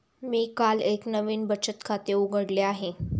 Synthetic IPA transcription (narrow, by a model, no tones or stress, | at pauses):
miːkaleknəʋiːnbət͡ɕət̪kʰat̪euɡəɽleaɦe